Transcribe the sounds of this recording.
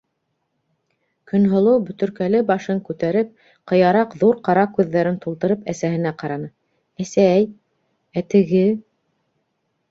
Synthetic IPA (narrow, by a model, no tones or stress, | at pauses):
kɵ̆nɦŏlˠɤwbɵ̆t̪ɵ̆ɾkælɘbɑʃɤŋkʉt̪æɾɘp̚ | qɤ̆jɑɾɑqðuɾqɑɾɑkʉðːæɾɘnt̪ulˠt̪ɤ̆ɾɤpæsæhɘ̆næqɑɾɑnɤ | æsæj | æt̪ɘ̆ɡɘ